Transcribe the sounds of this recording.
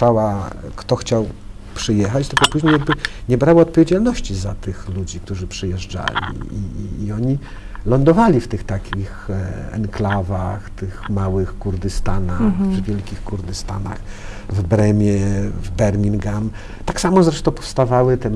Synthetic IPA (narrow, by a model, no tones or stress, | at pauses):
awakt̪ɔxt͡ɕaw | pʂɘjɛxat͡ɕt̪ɘlkɔpuʑɲejaɡ̚bɘɲɛbɾawɔɔt̪̚pɔvʲjed͡ʑalnɔɕt͡ɕizat̪ɘxlud͡ʑik̚t̪uʐɘpʂɘjɛʐd͡ʐa̰lʲḭḭʔḭːɔɲi | lɔnd̪ɔvalʲift̪ɘxt̪akʲʰixɛ̰nklavaxt̪ɘxmawɘxkuɾd̪ɘst̪anaxvvʲjɛlkʲixkuɾd̪ɘst̪ana̰x | vbɾɛmʲjɛvbɛɾmʲiŋɡam | t̪aksamɔzɾɛʂt̪ɔ̃w̃pɔ̥fst̪avawɘt̪ɛ